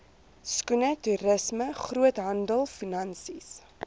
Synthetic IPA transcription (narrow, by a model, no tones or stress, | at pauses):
skunətuɾəsməχruətɦɐndəlˠfinɐnsis